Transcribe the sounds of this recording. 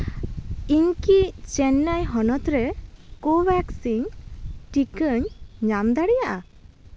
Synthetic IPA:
iɲkit͡ʃɛnːajɦɔnɔt̪ɾɛkobɛksiɲʈikəɲɲamd̪aɽɛjaʔa

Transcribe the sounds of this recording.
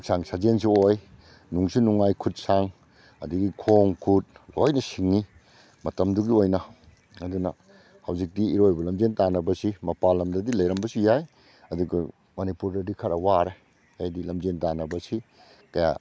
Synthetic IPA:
ksaŋsad͡ʒens̬ioj | nuŋsinuŋajkʰut̚saŋ | ɐ̰diɡikʰoŋkʰut̚lojnɐsiŋːi | mɐtɐmduɡiojnɐ | ɐdunɐ̰ | hɐwzik̚diːɾojbɐlɐmd͡ʒentanɐbɐsimɐpalɐmdɐdilɐjɾɐmbɐsijaj | ɐduɡɐ̰ | mɐnipuɾdɐdikʰɐɾɐwaɾe | ajdilɐmd͡ʒentanɐbɐsi | kɐja̰

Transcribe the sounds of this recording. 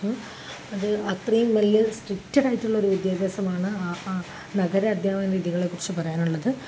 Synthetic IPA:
ɐðɨɐt̪rijɐmmɐlːɨsʈrik̚tːɐɽaːjiʈːuɭːɐo̞ɾuʋid̪jaːd̪eːsɐmaːɳɨ | nɐɣɐɾɐɐd̪ʱjaːmɐnɾiːðiɣɐɭekːurit͡ɕːupɐrɐjaːnuɭːɐðɨ

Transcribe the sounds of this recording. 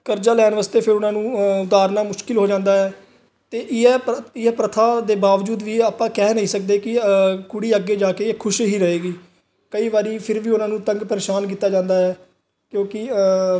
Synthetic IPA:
kəɾd͡ʒaːlɛːnʋaːst̪eːpʰɪɾʊnãːnũːʊd̪aːɾnaːmʊʃkɪlɦoːd͡ʒãːnd̪aːɦɛː | t̪eːʔɪɛːɪɛːpɾət̪ʰaːd̪eːbaːʋd͡ʒuːd̪ʋiːaːpːãːkɛːnəɦĩːsək̚d̪eːkɪkʊɽiːəɡeːd͡ʒaːkeːkʰʊʃɦiːɾəɦeːɡiː | kəiːʋaːɾiːpʰɪɾʋiːʊnãːnũːt̪ə̃ŋɡpəɾeːʃaːnk̬iːt̪ːaːd͡ʒãːnd̪aːɦɛː | kjõːkɪ

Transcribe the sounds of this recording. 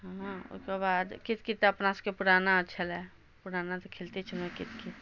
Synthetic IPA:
ɦãʊ̰skebaːd̪kɪt̪̚kit̪ɐpnaskepʊɽaːnaətːʃʰəlɦɛ | pʊɽaːnat̪okʰelt̪et͡ʃʰəmẽkɪt̪kit̪

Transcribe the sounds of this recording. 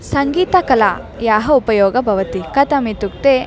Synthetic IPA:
sɐŋɡiːt̪ɐkɐla̰ː | jaːɦɐupɐjɔːɡɐbʱɐʋɐt̪ikɐt̪ɐmit̪uk̚t̪eː

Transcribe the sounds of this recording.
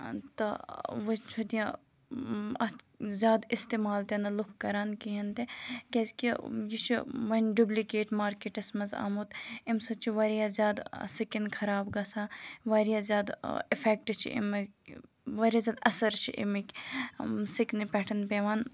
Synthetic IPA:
t̪ɐʋɐt͡ʃʰud̪ijã | ɐ | zʲaːd̪ist̪eːmaːlt̪enɐlukʰkːɐɾaːnkiɦɐnt̪ekʲeskijit͡ʃʰiʋɐnʲɖublikeːʈmaːɾkeːʈɐsmɐza̰ːmut̪imsɐt͡ʃʰiʋɐɾijaːzʲjaːd̪sikinkʰɐɾaːbɡɐsãːʋɐːɾijaːzʲjaːd̪ifʰɛːk̚ʈt͡ʃʰḭḭm | ʋɐɾʲjaːzʲjaːd̪ɐsɐɾt͡ʃʰḭʔḭmik | siknipɛːʈʰɐnpeːʋaːn

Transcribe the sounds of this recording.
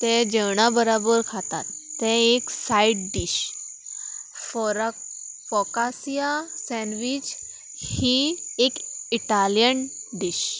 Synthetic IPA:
t̪ẽd͡ʑəwɳ̃abəɾɔbəɾkʰat̪a̰t̪ːɛ̃eksaiʈ̚ɖiɕ | fɔɾa | fɔkasijasɛ̃nʋid͡ʑ | hiekiʈaljənɖiɕ

